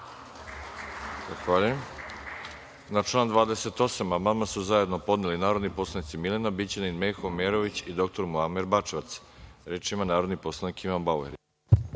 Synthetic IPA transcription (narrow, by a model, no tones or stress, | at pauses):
zaxʋaːʎujem | naʈ͡ʂlˠaːnd̪vʋaːd̪ese̞t̪o̞samamamasuzaje̞d̪no̞po̞d̪nelinaːɾo̞d̪nipo̞slˠanit̪similenabit͡ɕeninmexomeɾo̞ʋit͡ɕid̪o̞k̚t̪o̞ɾmoameɾbat͡ʃeʋat̪sɾeːt͡ʃimanaːɾo̞d̪nipo̞slˠanikiʋanbauḛɾi